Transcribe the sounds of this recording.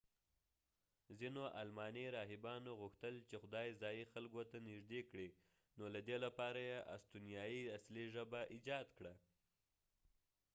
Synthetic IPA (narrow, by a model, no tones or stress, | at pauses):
zinoʔalmɑneɾɑɦɪbɑnoɣʊxt̪əlt͡ʃexʊd̪ɑjzɑjixalɡot̪anɪʒd̪ekɽi | nolad̪elapɑɾajeʔa̰st̪unijɑjiasliʒəbaʔid͡ʒɑd̪kɽa